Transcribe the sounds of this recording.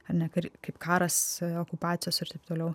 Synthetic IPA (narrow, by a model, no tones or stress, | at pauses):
ɐɾnʲɛkɐɾʲkɐɪpkʰɑːɾɐsoːkʊpɑːt̪ʲɪjoːsɪɾt̪ɐɪpt̪oːlʲɛʊ